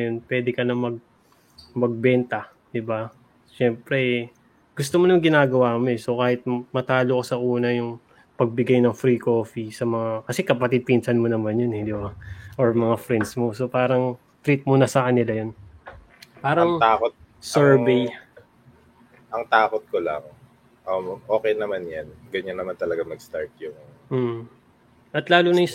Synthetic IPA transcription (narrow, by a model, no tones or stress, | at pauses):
jonpwɛːd̪ɛkɐnɐmɐɡ̚ | mɐɡ̚bɛnt̪ɐ | d̪ɪba | ʃɛmpɾɛ | ɡ̥ʊst̪omonɐŋɡɪnaːɡɐwaːɐmoɛso̞kaːhɪt̪̚mɐt̪aːlokosɐʔuːnɐjʊŋ | pɐɡ̚bɪɡajnɐŋfɾiko̞ːfisɐmɐŋakɐsɛkɐpɐt̪ɪd̪̚pinsɐnmonɐmanjonɛd̪ɪbaʔoɹmɐŋafɾɛnd̪smo̞so̞paːɾɐŋ | t̪ɾit̪̚monɐsɐkɐnɪlajon | paːɾɐŋt̪aːkot̪̚ | sɛɹbej | ʔɐŋt̪aːkot̪̚kolɐ̰ŋ | ʔɐmʔoːkɛjnɐmanjɐnɡɐɲanːɐmant̪ɐlɐɡamɐɡst̪aɹt̪̚jʊŋ | m̩ː | ʔɐt̪laːlʊnɐjʊ